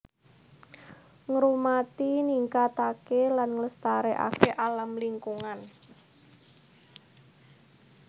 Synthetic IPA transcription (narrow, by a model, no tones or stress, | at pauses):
ŋɾumat̪iniŋkat̪akelanŋləst̪aɾeʔa̰keʔalamliŋkuŋan